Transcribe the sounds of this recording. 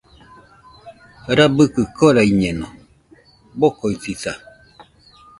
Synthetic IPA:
ɾabɨkɨkoɾaiɲɛno | bokoisisa

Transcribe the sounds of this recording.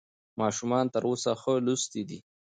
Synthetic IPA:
mɑʃumɑnt̪əɾʔosaxəlust̪id̪i

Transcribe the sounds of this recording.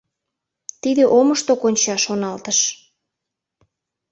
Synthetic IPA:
t̪id̪eʔoməʃt̪okonʲt͡ɕɑʃonɑlt̪əʃ

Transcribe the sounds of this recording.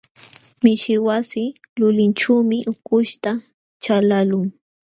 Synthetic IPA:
mɪʃɪwasɪlʊlɪnʈ͡ʂuːmɪʔʊkʊʃt̪a | t͡ʃalalʊŋ

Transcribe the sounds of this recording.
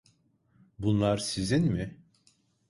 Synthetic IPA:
bunlˠaɾsizinmɪ

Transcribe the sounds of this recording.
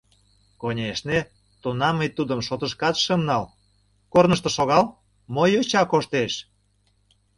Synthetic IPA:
konʲeʃne | t̪onɑməjt̪ud̪əmʃot̪əʃkɑt̪ʃəmnɑl | kornəʃt̪ə̆ʃoɣɑl | mojot͡ɕɑkoʃt̪eʃ

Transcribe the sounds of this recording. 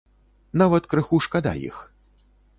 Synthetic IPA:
navɐt̪kɾɨxuʂkad̪a̰jḭx

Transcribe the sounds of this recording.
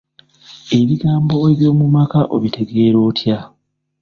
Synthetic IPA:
e̞βiɡaːmbo̞eβjo̞ːmumakaʔo̰βitʰe̞ɡe̞ːɾo̞ːtʰja

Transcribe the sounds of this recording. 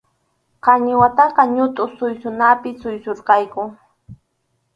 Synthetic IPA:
qɑɲɪwat̪ɑqɑɲʊt̪ʼʊsʊjsʊnapɪsʊjsoɾqɑjkʊ

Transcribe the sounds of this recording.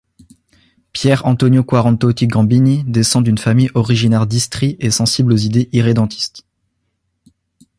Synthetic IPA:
pjɛʁɑ̃t̪ɔnjokwaʁɑ̃t̪ot̪iɡɑ̃binid̪esɑ̃d̪ynfamijɔʁiʒinɛʁd̪ist̪χiesɑ̃siblozid̪eʔiʁed̪ɑ̃t̪ʰi̥st̪

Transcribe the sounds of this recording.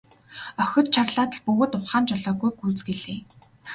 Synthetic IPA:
œxʲɞ̆t̪̚t͡ɕʰarɮaːt̪ə̆ɮpɵɣoːt̪ʊχaːnt͡ɕɔɮɔːɣujɡuːt͡sɡeɮeː

